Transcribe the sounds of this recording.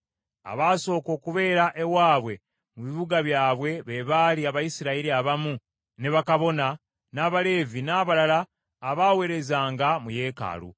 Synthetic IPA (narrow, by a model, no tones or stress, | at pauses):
a̰βaːso̞ːko̞ːkuβe̞ːɾaʔe̞waːβwe̞ | muβiβuɡaβjaːβwe̞βe̞βaːliaβajisiɾaiɾiaβamu | ne̞βakaβo̞na | naːβale̞ːvinaːβalalaː | βawe̞ɾe̞zaːŋɡamuje̞ːka̰ːlṵ